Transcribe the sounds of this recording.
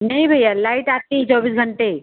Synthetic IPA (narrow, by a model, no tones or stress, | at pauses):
nɐɦĩbʱɐjaːlaːɪʈaːt̪it͡ʃɔːbis̬ɡʱɐɳʈe